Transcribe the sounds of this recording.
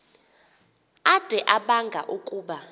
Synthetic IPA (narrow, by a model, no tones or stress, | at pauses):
ad̥ʱɛʔaɓaŋɡʱa̰ʔukʼuːɓa